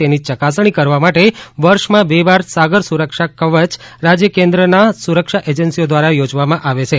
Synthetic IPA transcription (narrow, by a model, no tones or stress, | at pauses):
enit͡ʃəkasɳ̃ikəɾʋamaʈeʋəɾʃmãbebaɾsaɡəɾsuɾəkʃakəʋət͡ʃ | ɾad͡ʒjəkẽnd̪ɾənasuɾəkʃaʔed͡ʒənsiod̪ʋaɾajod͡ʒʋamãʔaʋet͡ʃʰe